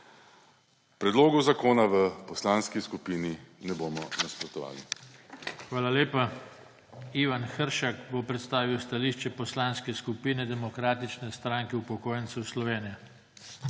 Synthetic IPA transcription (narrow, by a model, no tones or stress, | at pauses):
pɾɛd̪loːɡuzakoːnaʋəpɔslaːnskiskupiːninɛboːmɔnaspɾɔt̪ɔʋa̰ːli | xʋaːlaleːpa | iːʋanxəɾʃakbopɾɛt̪st̪aːʋiwst̪aliːʃt͡ʃɛpɔslanskɛskupiːnɛd̪ɛmɔkɾaːt̪it͡ʃnɛst̪ɾaŋkɛupɔkoːjənt̪sɛwslɔʋeːnija